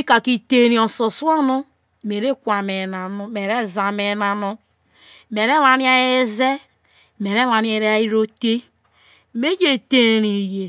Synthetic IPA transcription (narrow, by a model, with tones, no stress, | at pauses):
i˦ka˨ki˦te˦ɾi˨o˨so˨su˦a˦no˦˨ | me˨ɾe˦kʷa˨me˨na˨no˦me˨ɾe˦za˨me˨na˨no˦ | me˨ɾe˦la˨˦ni˦a˦e˦ze˦ | me˨ɾe˦la˨ni˦e˦ɾe˦a˦i˦ɾo˦te˦ | me˦d͡ʒe˦˨te˦ɾi˨je˨